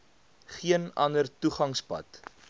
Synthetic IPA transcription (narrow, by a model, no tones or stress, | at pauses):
χiənɐndərtuχɐŋspɐ̰t